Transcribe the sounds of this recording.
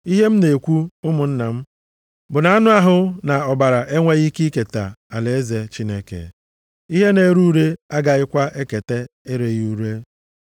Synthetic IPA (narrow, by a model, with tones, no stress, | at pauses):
i˦ɦe˦m̩˦ne˨e˨kʷu˦ʊ˦mʊ˨n̩˦na˨m̩˦ | bʊ˨na˨˦a˦nʊ˦a˦ɦʊ˦na˨ɔ˨ba˨ɾa˨ʔe˦ŋʷe˦ɣi˦ki˦ke˨ta̰˨a˨le˨e˦ze˨t͡ʃi˦ne˦kḛ˨ | i˦ɦe˦ne˨˦ɾu˦ɾe˦a˦ɡa˨ɪ˦kʷa˦ʔe˦ke˨te˦e˦ɾe˨ju˦ɾe˦